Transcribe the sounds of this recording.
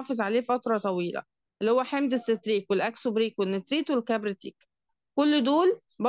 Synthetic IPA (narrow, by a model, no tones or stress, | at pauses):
fezʕaleːfæt̪ɾˤɑt̪ˤɑwiːlæ̰ | ʔelːihowːæħemd̪esːet̪ɾiːkwelʔæksubɾiːkwenːet̪ɾiːt̪welkæbɾet̪iːk | kolːd̪oːl | b